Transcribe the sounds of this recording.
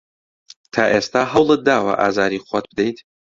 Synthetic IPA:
t̪ʰaːʔeːst̪aːɦɐwlˠɨt̪̚d̪aːwɐ̰ʔa̰ːzaːɾiχʷwɐt̪̚bɨd̪ejt̪ʰ

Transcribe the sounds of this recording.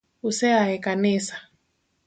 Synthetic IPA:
usɛaɛkanisḁ

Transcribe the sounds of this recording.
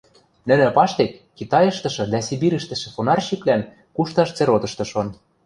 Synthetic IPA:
nɘ̆nɘ̆pɑʃt̪ekːit̪ɑjɤ̆ʃt̪ɤ̆ʃɤ̆d̪æsibiɾɘ̆ʃt̪ɘ̆ʃɘ̆fonɑrɕiklæn | kuʃt̪ɑʃt͡seɾot̪ɤ̆ʃt̪ɤ̆ʃon

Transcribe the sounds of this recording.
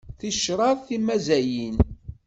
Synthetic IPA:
θiʃɾˤɑðθimæzæjin

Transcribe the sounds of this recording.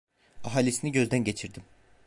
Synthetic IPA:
aɦalʲisiniɟø̞zd̪ænɟet͡ʃʰiɾd̪im

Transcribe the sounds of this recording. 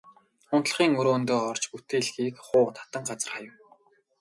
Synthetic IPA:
ʊnt̪ɮ̆χiːŋɵɾoːnt̪oːɔrt͡ɕput̪eːɮɣiːkχʊːt̪ʰḁt̪ə̆ŋɢat͡sə̆rχajə̆w

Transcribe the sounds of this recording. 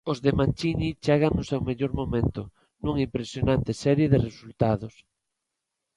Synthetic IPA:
ozðemãnʲt͡ʃiɲit͡ʃeɣaŋnʊsɛwmeʎoɾmomẽnt̪ʊ | nuŋimpɾesjonãnt̪ɪsɛɾjeðɪresult̪aðʊs

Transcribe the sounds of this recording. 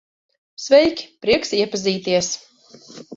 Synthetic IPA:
svɛjkʲpɾiɛksiɛpaziːt̪iɛs

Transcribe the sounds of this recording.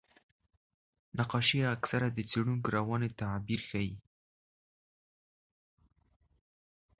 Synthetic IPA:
naqɑʃiaksaɾad̪ət͡seɽuŋkoɾawɑnet̪abiɾxaji

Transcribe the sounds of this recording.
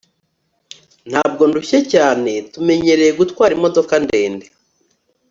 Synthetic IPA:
n̥haːb̚ɡo̞nduçecaːne̞tume̞ɲe̞ɾe̞jeɡutwaːɾimo̞do̞kande̞ːnde

